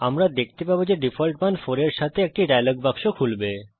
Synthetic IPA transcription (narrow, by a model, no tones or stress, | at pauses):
amɾad̪ek̚t̪epabod͡ʑeɖifʰolʈ̚manfoɾeɾʃat̪ʰeek̚ʈiɖajloɡ̚bakʃokʰulbe